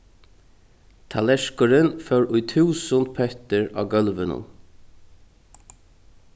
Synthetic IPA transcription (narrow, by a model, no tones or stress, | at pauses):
t̪ʰalɛʂkʊɾɪnfɛwɾʊjt̪ʰʉːsʊnt̪̚pʰœht̪ɪɹa̰ːɡœlʋɪnʊ̰n